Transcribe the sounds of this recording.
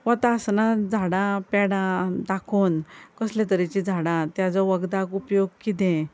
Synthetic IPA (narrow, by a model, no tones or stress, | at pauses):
ʋət̪asnad͡zʱaɽãpɛɽãd̪akʰonkəslet̪əɾit͡ɕid͡zʱaɽãt̪jad͡zɔʋəɡd̪akupjoɡkit̪ẽ